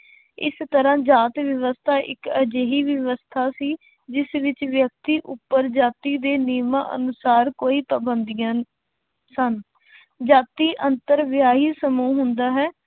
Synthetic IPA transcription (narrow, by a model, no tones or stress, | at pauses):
ɪ̰st̪əɾãːd͡ʒaːt̪ʋjəʋəst̪ʰaːʔɪkəd͡ʒeːɦiːʋəʋəst̪ʰaːsiː | d͡ʒɪsʋɪt͡ʃʋjək̚t̪iːʔʊpːəɾd͡ʒaːt̪iːd̪eːniːmã̰ːʔə̰nʊsaːɾkoːiːpəbənd̪ijãː | sən | d͡ʒaːt̪iːʔənt̪əɾʋɪjaːɦiːsəmuːɦʊnd̪aːɦɛː